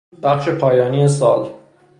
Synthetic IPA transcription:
b̥æχʃe̞pʰɒːjɒːniːes̬ɒːl

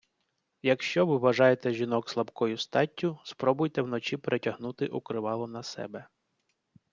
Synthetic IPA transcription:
jɐkʃt͡ʃɔʋɪʋɐʒɑjet̪ɛʒʲinɔkslˠɐbkɔjʊst̪ɑtʲːʊspɾɔbʊjt̪ɛwn̪ɔt͡ʃipɾetʲɐɦnut̪ɪʔukɾɪʋɑlˠɔnɐsɛ̰bɛ

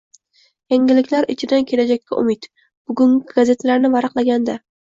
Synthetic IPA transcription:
jaŋʲɪlɪkʲlaɾɪt͡ʃʰɪd̪ankʲʰe̞lad͡ʒakʲːa̰ʔʊ̰mɪt̪ | b̥ʊɡʊŋʲɪɡaze̞t̪ʰlaɾnɪvaɾɨqlˠaɡʲand̪a

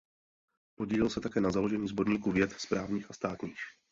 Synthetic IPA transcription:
poɟiːlɪlsɛt̪akɛːnazalo̞ʒɛɲiːzbo̞ɾɲiːkuvjɛt̪spɾaːvɲiːxast̪aːt̪ɲiːx

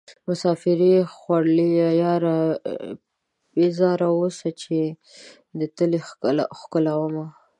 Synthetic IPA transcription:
mʊsɑfɪɾixwaɽlijajɑɾa | bezɑɾaosat͡ʃe | d̪ət̪əlexaxkʊlawəma

